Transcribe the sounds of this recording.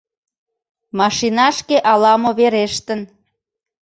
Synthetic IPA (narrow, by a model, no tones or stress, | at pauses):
mɑʃinɑʃkeʔɑlɑmoβeɾeʃt̪ə̆n